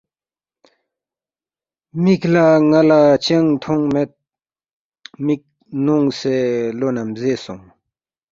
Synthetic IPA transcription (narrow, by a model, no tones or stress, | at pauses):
miklaŋɐlat͡ɕeŋt̪ʰoŋmet̪̚ | mik̚ | nuŋselonɐmzesuŋ